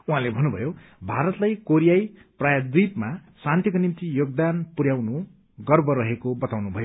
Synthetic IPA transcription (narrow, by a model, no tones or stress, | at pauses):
uɦãlebʱʌnːubʱʌ̰jobʱaɾʌt̪lajkoɾijajprajʌd̪ipmasãnt̪ʰjikonimt̪ijoɡ̚d̪anpuɾjawnu | ɡʌrbʌɾʌɦekobʌt̪awnubʱʌjo